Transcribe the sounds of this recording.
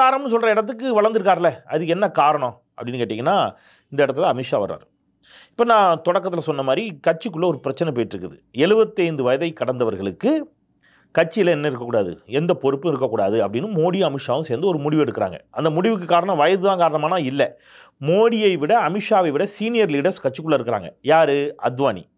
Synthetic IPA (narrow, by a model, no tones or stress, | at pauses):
aːɾɐmbɐnːɯsɔlrɐɪɽɐt̪ːɯkːɯʋɐɭɐɾnd̪ɯɾɯk̬ːaːɾlːɛɐðɯk̬ːɛnːɐkaːɾɐɳõ | ɐpːɐɽɪnːɯkeːʈːiŋɡɐnːaː | ɪnd̪ɐɪɽɐt̪ːlaːɐmɪʂaːʋɐ̰ɾːa̰ːɾ | ɪpːoːnãːt̪ɔɽɐkːɐt̪ːɪlɐsɔnːɐmaːd̪ɾikɐʈ̚t͡ʃːɯkːɯɭːɐɔɾɯpɪɾɐt͡ʃːɐnɛɪpoːjɪʈːɪɾɯkːɐðɯɛɻɯbɐt̪ːɐɪnd̪ɯʋɐjɐðɐɪkːɐɽɐnd̪ɐʋɐɾɣɐɭɯkːɯ | kɐʈ̚t͡ʃːɪɪlɐɛnːɐɪɾɯkːɐkːuːɽaːðɯ̰ɛnd̪ɐpɔɾɯpːɯ̃ɪɾɯkːɐkːuːɽaːðɯɐpːɐɽɪnːɯmoːɽiɐmɪʂaːʋɯ̃seːɾnd̪ɯɔɾɯmʊɽɪʋɛɽɯkːɯɾa̰ːŋɡɐ̰ɐnd̪ɐmʊɽɪʋɯk̬ːɯkːaːɾɐɳɐ̃ʋɐjɐðɯðãːkaːɾɐɳɐmaːnaːɪlːɐ | moːɽɪjɐɪʋɪɽɐɐmɪʂaːʋɐɪʋɪɽɐsiːnɪjɐɾliːɽɐɾskɐʈ̚t͡ʃːɯkːɯɭːɐɪɾɯkːɾa̰ːŋɡɐjaːɾɯɐ̰d̪ʋaːnḭ